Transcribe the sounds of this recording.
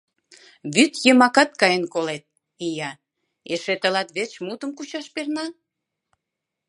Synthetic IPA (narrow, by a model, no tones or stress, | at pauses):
βyt̪jəmɑkɑt̪̚kɑjənkolet̪̚ | ijɑ | eʃet̪əlɑt̪βet͡ɕmut̪əmkut͡ɕɑʃpernɑ